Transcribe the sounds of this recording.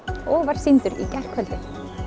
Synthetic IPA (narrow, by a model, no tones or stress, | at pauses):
ɔːɣvaɾ̥sint̪ʏɾḭcɛr̥kʰœlt̪ɪ